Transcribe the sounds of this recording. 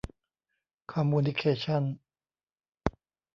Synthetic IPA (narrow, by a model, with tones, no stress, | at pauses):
kʰaː˧mːuː˧nd̪i˧kʰeː˧˩t͡ɕʰa˥˨n